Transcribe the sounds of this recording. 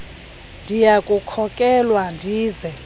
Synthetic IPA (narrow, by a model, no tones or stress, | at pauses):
ndʱijakʼukʰɔkʼɛlwandʱiːzɛ